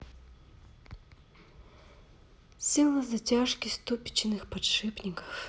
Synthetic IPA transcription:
sʲilˠɐzɐtʲaʂkʲɪst̪upʲɪ̥t͡ɕɪnɨxpɐtʂɨpnʲɪkə̥f

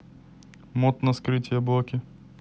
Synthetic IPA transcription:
mot̪nɐskɾɨtʲɪjɐblˠokʲɪ

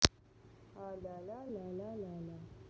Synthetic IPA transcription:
halalalalalala

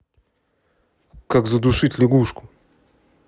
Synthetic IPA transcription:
kaɡzad̪uʃit̪ʲlʲɛɡuʃku̥

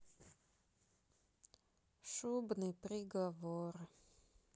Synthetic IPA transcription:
ʂubnɨjpɾʲɪɡɐvoɾ

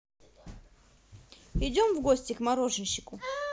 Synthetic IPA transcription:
ɪdʲomvɡosʲtʲɪkmɐɾoʐɨnɕːɪ̥kʊ

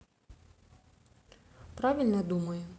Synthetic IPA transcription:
pɾavʲilʲnɐd̪umɐjʊ

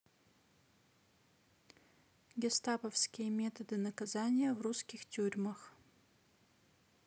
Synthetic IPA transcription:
ɡʲest̪apəfskʲɪjəmʲe̞t̪əd̪ɨnɐkɐzanʲɪjəvruskʲɪxtʲurʲməx

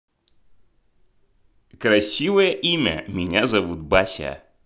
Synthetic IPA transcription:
kɾɐsʲivəjəʔimʲə̰mʲɪnʲazɐvut̪̚batʲə̰

